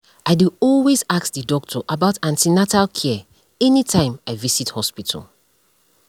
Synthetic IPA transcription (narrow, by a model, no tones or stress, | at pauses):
aɪdiɔlwezakðidɔk̚tʰɔʔabaʊtãntinatalkʰɛ | ɛnitʰãɪ̃maɪvisithɔspitʰə̰l